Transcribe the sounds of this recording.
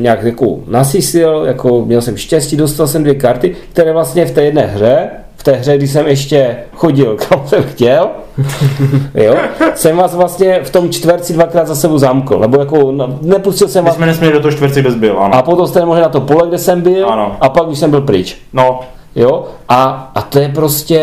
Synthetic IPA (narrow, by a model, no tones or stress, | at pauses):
ɲaːkjako̰nasɪsɪljakomɲɛlsɛmʃcɛsciːdost̪alsɛmdvjɛkaɾt̪ɪkt̪ɛɾɛːvlast̪ɲɛft̪ɛːjɛdnɛːɦrɛ | ft̪ɛːɦrɛɡ̚dɪs̬ɛmɛʃcɛxoɟɪlkʰamsɛmxcɛl | josɛmvaːsvlast̪ɲɛft̪omt͡ʃt̪vɛɾt͡sidvakɾaːd̪zasɛbowzamkl̩nɛbojakonnɛpuscɪlsɛmvaːsmɛnɛsmɲɛlidot̪oɦot͡ʃt̪vɛɾt͡sɛɡdɛzbɪlʔa̰napot̪omst̪ɛnɛmoʒɛnat̪opolɛɡdɛsɛmbɪlanoʔapaɡdɪʃsɛmbɪlpɾɪt͡ʃno | joʔaːt̪ojɛpɾoscɛ